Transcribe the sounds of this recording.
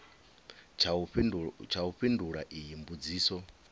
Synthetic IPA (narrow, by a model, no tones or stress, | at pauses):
t͡ʃʰauɸinduɺaʔijimbud͡ziːsɔ